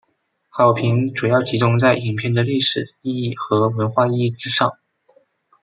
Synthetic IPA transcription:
xɑ˨˩ʊpʰi˧˥ŋʈ͡ʂu˨˩jɑ˥˩ʊt͡ɕʰi˧˥ʈ͡ʂʊ˥ŋt͡sa˥˩ɪi˨˩ŋpʰjɛ˥˩nd̪ə˩li˥˩ʂɻ̩˨˩i˥˧i˥˩xɤ˧˥wə˧˥nxwa˥˧i˥˧i˥˩ʈ͡ʂɻ̩˥ʂɑ̰˥˩ŋ

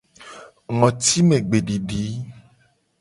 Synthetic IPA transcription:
ŋɔ̃˨t̪i˦mẽ˨ɡ͡be˨ɖi˨ɖi˨˦

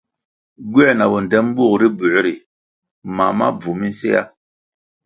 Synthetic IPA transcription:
ɡwɛ˦˨na˨wɔ˨n˨dɛ˦m˦bu˦˨kɾi˦bu˨˦ɾi˨ | ma˨ma̰˦b͡vu˨mi˦n˦sḛ˦a̰˦

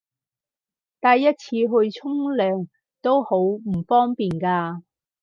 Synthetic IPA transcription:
t̪aː˨jːɐ˥t̚t͡sʰiː˧ɦɵ˧ɥt͡sʰʊ˥ŋlœː˨˧ŋ | t̪o˥who˨˥wm̩˨˩fɔː˥ŋpiː˨nkaː˧

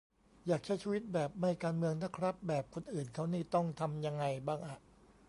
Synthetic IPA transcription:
jaː˨˩k̚t͡ɕʰa˦˥jt͡ɕʰiː˧wi˦˥t̪̚bɛː˨˩p̚ma˧˩jkaː˧nmɯ˧əŋna˦˥˩kʰɾa˦˥p̚bɛː˨˩p̚kʰo˧nʔɯː˨˩nkʰa˦˥wniː˥˩t̪ɔ˥˩ŋt̪ʰa˧mja˧ŋːa˧jbaː˥˩ŋʔa˨˩ʔ

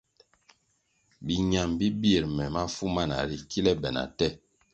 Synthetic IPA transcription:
bi˨ɲa˨mbi˦bi˦e˨ɾmɛ˨ma˦fu˦ma˦˨na̰˨ɾi˨ki˦lɛ˦bɛ˨na̰˨tɛ˦˨

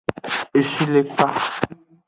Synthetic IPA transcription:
e˨ʃi˦le˦k͡pa˦

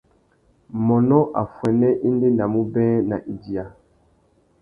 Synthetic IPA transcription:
mɔ˨nɔ˦ʔa˨fwɛ˨nɛ˦ʔi˦nde˦na˨mu˦bɛ̃˦na˨ʔi˨di˨a˨

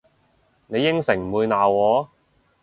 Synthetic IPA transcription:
ne˨˧jːɪ˥ŋsɪ˨˩ŋm̩˨˩wuː˨˧jnaː˨wwɔː˨˥

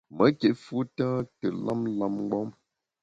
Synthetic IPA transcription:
mə˨˦ke˨fu˦tãː˦tə˨la˦mla˦mŋ˦ɡ͡bɔ˦m

